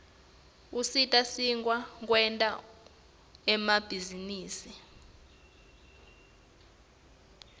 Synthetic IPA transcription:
usitʼasiŋʼwak̬ʼwɛntʼa | ɛmab̥ʱiziniːsi

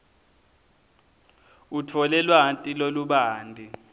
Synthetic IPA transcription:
utʰɔlɛlwaɦantʼiloluɓaːndʱi

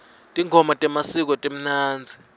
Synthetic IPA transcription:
tʼiŋʱɔmatʼɛmasik̬ɔtʼem̩naːnd͡zʱi

